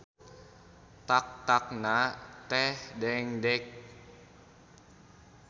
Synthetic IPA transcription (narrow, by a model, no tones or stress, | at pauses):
t̪ak̚t̪ak̚nat̪ɛhdɛŋdɛk̚